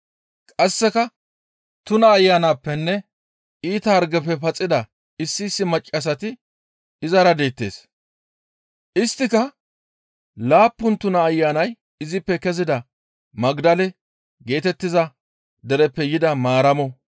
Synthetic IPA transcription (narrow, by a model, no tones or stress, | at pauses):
kʼɐsːɛkɐ | t̪ʊnɐːjːaːnaːpːɛnːɛ | iːt̪ɐːɾɡɛpːɛpɐt͡sʼɪd̪ɐ | ɪsːɪːsːɪmɐt͡ʃʼːɐs̬ɐt̪ɪ | ɪzɐɾɐd̪e̞ːt̪ːe̞ːs | ʔɪst̪ːɪkɐ | laːpːʊnt̪ʊnɐːjːaːnɐj | ɪzɪpːɛkɛzɪd̪ɐ | mɐɡd̪ɐlɛ | ɡe̞ːt̪ɛt̪ːɪzɐ | d̪ɛɾɛpːɛjɪd̪ɐmaːɾɐmɔ